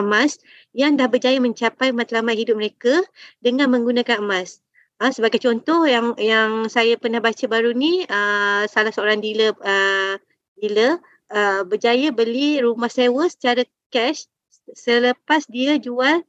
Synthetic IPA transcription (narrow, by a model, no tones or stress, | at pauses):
əmas | jaŋdahbərd͡ʒajəmə̃ɲt͡ʃapajmat̪lamat̪̚hidʊp̚məɾekadəŋãnmə̃ŋɡunakanəmas | əsəbaɡajt͡ʃɔnt̪ɔhjaŋjaŋsajapərnahbat͡ʃəbaɾuniəsalahsəoɾaŋdiləə | dilə | əbərd͡ʒajəbəliɾumahsewəsə̥t͡ʃaɾə | kɛʃ | sələpasdiəd͡ʒual